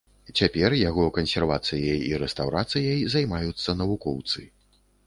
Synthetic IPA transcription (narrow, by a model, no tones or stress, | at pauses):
t͡sʲapʲɛrjaɣɔkɐnsʲɛrvat̪sɨjɐjiɾɛst̪awɾat̪sɨjɐjzajmajut̪sːɐnɐvukɔwt̪sɨ